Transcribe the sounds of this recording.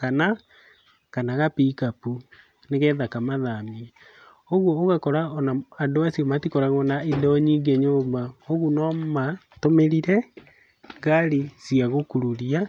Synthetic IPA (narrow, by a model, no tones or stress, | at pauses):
kana | kanaɣapiːkapu | neɣɛðakamaðamiɛ | oɣwɔːɣakɔɾaɔnaandoasiɔmatikɔɾaɣɔnaidɔɲiɡɛɲoːmbaoɣunɔma | tomeɾiɾɛ | ɣaɾisiaɣokuɾuɾia